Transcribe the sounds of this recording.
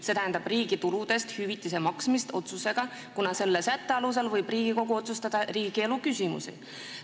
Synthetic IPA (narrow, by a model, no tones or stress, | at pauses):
se̞t̪æɦænd̪̥ɑb̥riːɡ̥it̪ulud̪̥e̞st̪hyvit̪ːˑis̬emɑksmist̪o̞t̪suse̞ɡ̥ɑ | kunɑse̞lːesæt̪ːe̞ɑlus̬elvɤ̞jb̥riːɡ̥iko̞ɡ̥uo̞t̪sust̪ɑd̪̥ɑriːɡ̥ie̞lukysʲimṵsḭ